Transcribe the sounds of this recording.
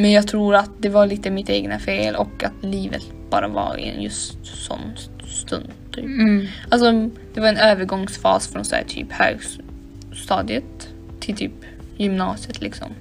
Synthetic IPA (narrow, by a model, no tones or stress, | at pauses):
mɛnjɑːɡ̚t̪ʰɾuːɾat̪̚d̪ɛvaɭiːt̪əmɪt̪eːɡnafeːlʔɔkːat̪liːvə̰t̪ | b̥ɑːɾava̰ɾɪ̰ɛ̰njɵst̪sɔ̰nː | st̪ɵnd̪t̪ʰyːpals̬ɔd̪̥ɛvaɾɛnøːvəɾɡɔŋsfɑ̰ːsfɾɔnsæ̰ːʈ̪ʰy̰ːphø̰ːɡ | st̪ɑːd̪ɪət̪ʰː | ɪlt̪ʰyːp | jʏmnɑːsɪət̪ʰlɪksɔ̰m